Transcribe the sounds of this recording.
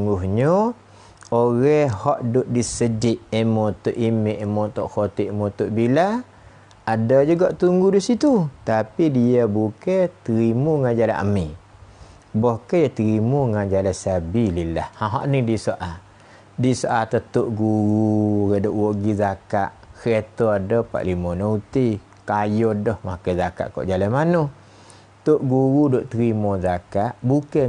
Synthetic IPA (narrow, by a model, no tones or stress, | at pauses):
ŋɡuɦɲo | oɣɛhhɔʔdʊʔdisəd͡ʒɪʔemot̪oʔimeʔemot̪oʔxot̪iʔmot̪oʔbila | adad͡ʒuɡaʔt̪uŋɡudisit̪ut̪apidiabukɛt̪əɾimuŋad͡ʒala̰ʔə̰mi | bɔhkəjat̪əɾimuŋad͡ʒalasabililahhãɦɔ̰ʔnidisoʔa | disoʔat̪ət̪oʔɡuɾuɾədoʔwɔʔɡizakaʔket̪ɔadɔpa̰ʔlimɔnout̪i | kajɔdɔhmakəzaka̰ʔkɔ̰ʔd͡ʒalanmanoh | t̪oʔɡuɾudoʔt̪əɾimɔzakaʔbukə